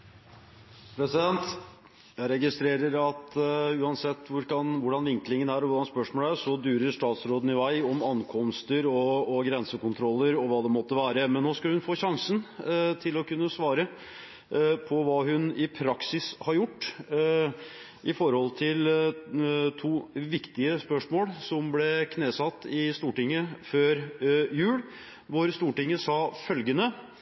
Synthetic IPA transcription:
pʰɾɛsɪd̪ɛnt̪ | jæɪɾɛɡɪst̪ɾeːɾəɾɑt̪ʉːɑnsɛt̪ːʋʊɾɑnʋʊɖɑnʋɪŋklɪŋənæɾɔʋʊɖɑnspœʂmoːləæɾsɔd̪ʉːɾəɾʂʈɑːt̪sɾoːd̪n̩ɪʋæɪɔmɑnkʰɔmst̪əɾɔːɡɾɛnsəkʊnt̪ʰɾɔlːəɾɔʋɑːd̪ɛmɔt̪ːəʋæːɾəmɛnnːoːskɑlhʉnfoːɕɑŋsənt̪ʰɪlɔkʉnːəsʋɑːɾə | pʰɔʋɑːɦʉnɪpʰɾɑksɪshɑɾjʊʈː | ʔɪfɔɾhɔlt̪ʰɪl | t̪ʰuːʋɪkt̪ɪəspœʂmoːlsɔmblɛkʰneːsɑt̪ːɪst̪uːʈɪŋːəføːɾjʉːl | ʋʊɾst̪uːʈɪŋːəsɑfœlɡənə

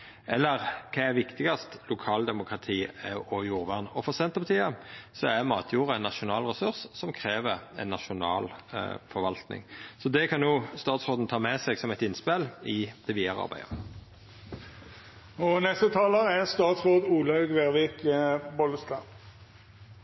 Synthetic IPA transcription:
ʔɛlːəʁkʰɑːæʋɪkt̪ɪɡɑst̪lʊkʰɑːld̪ɛmʊkʁɑt̪ʰiːɔjuːʁʋæʁnɔfɔʁsɛnt̪əpɑt̪ʰiːəsɔæmɑːt̪ʰjuːʁəɛnːɑʃʊnɑːlʁɛsʉʁssɔmkʰʁeːʋəɛ̰nːɑʃʊnɑ̰ːlfɔʋɑlt̪nɪ̰ŋsɔd̪ɛkʰɑnːuːst̪ɑːt̪sʁoːd̪n̩t̪ʰɑːmɛsɛɡsɔmɛɪt̪ɪnspɛlɪd̪̥ɛʋiːɑʁəɑ̰ʁbæ̰ɪə̰ʁ | ɔnɛst̪ət̪ʰɑːləæst̪ɑːt̪sʁoːd̪uːlɑʉɡʋeʁʋikbɔləst̪ɑ

